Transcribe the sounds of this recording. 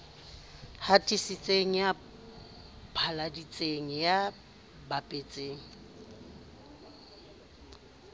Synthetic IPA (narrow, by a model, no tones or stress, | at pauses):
hatʼisit͡sʼeŋ̩ja | pʰaladit͡sʼeŋ̩ja | bapʼet͡sʼeːŋ̩